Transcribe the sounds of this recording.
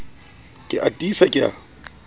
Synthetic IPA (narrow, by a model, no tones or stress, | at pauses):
kʼɪʔatʼiːsakʼɪa̰